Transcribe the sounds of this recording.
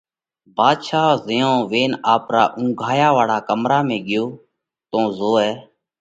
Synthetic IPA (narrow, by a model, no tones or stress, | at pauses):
baːd̪ʃaːzɪjõːʋeːnaːpɾaːʔũːɡʱaːjaːʋaːɽaːkəmɾaːmẽːɡɪjoː | t̪õːzoːɛː